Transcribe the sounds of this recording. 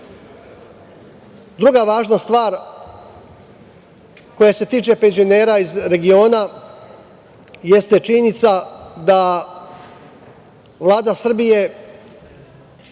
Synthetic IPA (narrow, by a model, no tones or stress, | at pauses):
d̪ɾuɡaʋaːʒnast̪ʋaːɾ | ko̞jase̞t̪iːt͡ʃe̞pe̞nzio̞ne̞ːɾaizɾe̞ɡio̞ːna | je̞st̪e̞t͡ʃinit̪sad̪a | ʋlˠaːd̪asr̩bije̞